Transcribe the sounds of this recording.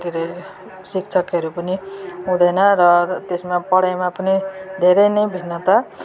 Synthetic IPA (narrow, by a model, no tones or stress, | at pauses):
kiɾe | sikt͡sʰʌkɦʌɾupʌniɦũd̪ʌjnʌɾʌt̪esmapʌɽajmapʌnid̪ʱeɾʌjnʌjbʱinːʌt̪a